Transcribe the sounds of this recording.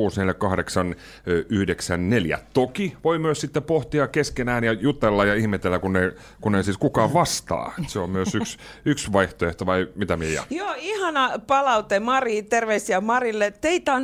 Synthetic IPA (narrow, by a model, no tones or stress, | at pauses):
uːsneljækɑhdeksɑn | yhdeksænneljæ̰t̪okiʋoimyøssit̪ːepoht̪iɑkeskenæːnjɑjut̪elːɑjɑihmet̪elːækunːe | kunneisiːskukɑːʋɑst̪ɑ̰ːet̪seommyøsyks | yksʋɑiht̪oeht̪oʋɑimit̪æmiejɑ̰joːihɑnɑpɑlɑut̪emɑriːt̪erʋeisiɑmɑrilːet̪eit̪ɑn